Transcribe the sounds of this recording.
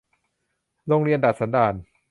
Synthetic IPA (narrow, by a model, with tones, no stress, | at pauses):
ɾo˧ŋɾi˧ənda˨˩t̪̚sa˩˦ndaː˧n